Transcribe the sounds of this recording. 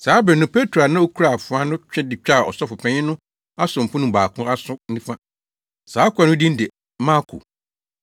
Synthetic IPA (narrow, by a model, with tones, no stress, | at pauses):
saː˨˦bɾɛ˨nʊ̃˦pʰe˦tʰɾo˨a˨nã˦o˦kʰu˦ɾa˨fʊ˨a˦nʊ̃˦t͡ɕᶣɛ˦dɪ˨t͡ɕᶣa˦˨ɔ̰˨sɔ˦fʊ˨pʰɛ̃˦ɲɪ̃˦nʊ̃˦ | a˦sʊ̃˨m̩˨pʊ̃˦nʊ̃˨baː˨kʰʊ̃˦ɾa˦sʊ̃˦n̩˦nĩ˦fã˦ | saː˨˦kʰʷʊ˨˦a˨nʊ̃˦dĩ˦n̩˦de˨˦ | mã˦kʰo̰˨